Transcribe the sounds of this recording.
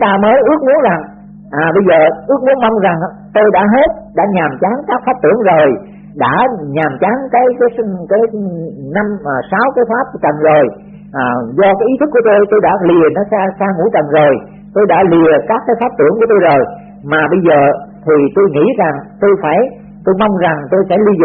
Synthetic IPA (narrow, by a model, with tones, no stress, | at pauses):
t̪aː˧məː˨˦jʔɨ˦˥ək̚mu˨˦ənza˨˩ŋ | ʔaː˨˩ɓə˧jzəː˨˩ʔɨ˦˥ək̚mu˨˦nma˧wŋ͡mza˨˩ŋ | t̪o˧jɗa̰ː˧˥ɦe˦˥t̚ɗa̰ː˧˥ɲaː˨˩mt͡ɕa˨˦ŋkaː˦˥k̚faː˦˥p̚t̪ɨ˧˩əŋzo˨˩j | ɗa̰ː˧˥ɲaː˨˩mt͡ɕa˨˦ŋkaː˨˦jkaː˨˦jkaː˨˦jna˧mʔːsaː˨˦wkaː˨˦jt̪ʰaː˦˥p̚t͡ɕə̰˨nzo˨˩j | ʔaː˨˩zɔ˧kaː˨˦ʔi˨˦t̪ʰɨ˦˥k̚ːu˧˩ə˦t̪o˧jt̪o˧jɗa̰ː˧˥li˨˩ənɔ˨˦saː˧saː˧ŋṵ˧˥t͡ɕə̰˧˨nzo˨˩j | t̪o˧jɗa̰ː˧˥li˨˩əkaː˦˥kːaː˨˦jfaː˦˥p̚t̪ɨ˧˩əŋku˧˩ət̪o˧jzo˨˩j | maː˨˩ɓə˧jzəː˨˩t̪ʰi˨˩t̪o˧jŋḭ˧˥za˨˩ŋt̪o˧jfaː˧˩j | t̪o˧jma˧wŋ͡mza˨˩ŋt̪o˧jsɛ̰˧˥li˧z